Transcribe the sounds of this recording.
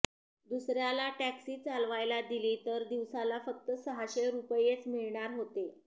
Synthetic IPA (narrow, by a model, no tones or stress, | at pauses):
d̪usɾjalaʈæksiːt͡salʋajlad̪iliːt̪əɾd̪iʋsalafək̚t̪əsəɦaɕeɾupəjet͡smiɭɳaɾɦot̪e